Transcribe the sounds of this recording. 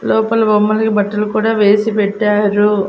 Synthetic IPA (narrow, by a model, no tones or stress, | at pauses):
lɔːpɐlɐbɐmːɐlɐkibɐʈːɐlukuːɽaːʋe̞ːsipɛʈːaːɾu